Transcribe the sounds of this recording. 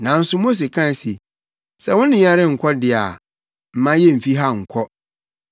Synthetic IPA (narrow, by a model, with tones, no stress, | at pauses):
nã˨n̩˦sʊ˦mo˦s̬e˨kʰã˦˨si˨ | sɛ˦˨wʊ̃˦nɪ̃˦ɲ˦a˦ɾɪ˦ŋ̩˨kʰɔ˦dɪ˨a˨ | m̩˨mã˦jɛ˦m̩˨fi˦ɦa˦ŋ̩˨kʰɔ˦